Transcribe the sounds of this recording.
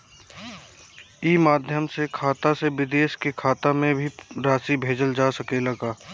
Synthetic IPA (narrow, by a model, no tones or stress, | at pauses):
iːmaːd̪ʱjəmsekʰaːt̪aseʋɪd̪eːʃkekʰaːt̪amẽbʱiɾaːsibʱeːd͡ʒəld͡ʒaːsəkelɐɡaː